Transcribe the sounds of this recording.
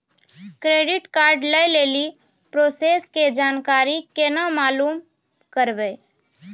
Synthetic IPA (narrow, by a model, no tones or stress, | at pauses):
kɾeːɖɪʈkaːɾɖləjleːli | pɾoːseːsked͡ʒaːnkaːɾikenamaːluːm | kəɾʋeː